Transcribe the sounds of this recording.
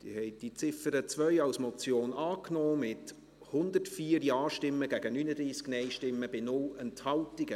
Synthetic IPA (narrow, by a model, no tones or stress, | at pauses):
d̥ḭːhɛɪd̥it͡sɪfəɾət͡svœʏɑlsmɔt͡sjoːnɑːknoːmɪt | hʊnd̪ətfiːəɾjɑːʃtɪmːəɡ̥æɡənyːnədɾiːsknɛɪʃtɪmːəb̥ɪnʊlɛnthɑltɪɡə